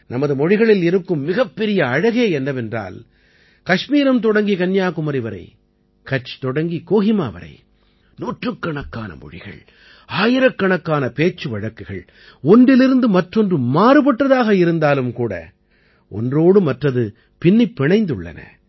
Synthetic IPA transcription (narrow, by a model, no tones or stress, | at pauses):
nɐmɐðɯmɔɻɪɣɐɭɪlɪɾɯkːɯmːɪɣɐpːɛɾɪjɐːɻɐɣeːɛnːɐʋɛndra̰ːl | kɐʂmiːɾɐmt̪̬ɔɽɐŋɡikɐnjaːkʊmɐɾɪʋɐɾɐ̰ɪ | kɐt͡ʃːɯ̥t̪ɔɽɐŋɡikoːɣɪma̰ːʋɐ̰ɾɐ̰ɪ | nuːʈrɯkːɐɳɐkːaːnɐ̰mɔ̰ɻɪ̰ɣɐ̰ɭ | aːjɪɾɐkːɐɳɐkːaːnɐpeːt͡ʃːɯʋɐɻɐkːɯɣɐɭ | ɔndɪlɪɾɯnd̪ɯmɐʈrɔndrɯːaːɾɯpɐʈːɐðaːɣɐɪɾɯnd̪aːlɯmkuːɽɐ̰ | ʔɔ̰ndroːɽɯmɐʈrɐðɯ | pɪnːɪpːɪɳɐɪnd̪ɯ̰ɭːɐ̰nɐ̰